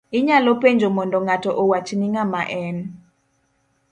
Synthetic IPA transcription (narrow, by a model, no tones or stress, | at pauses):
ɪɲalɔpeɲd͡ʒʱomɔndɔŋatɔʔɔwat͡ʃniŋamaʔɛn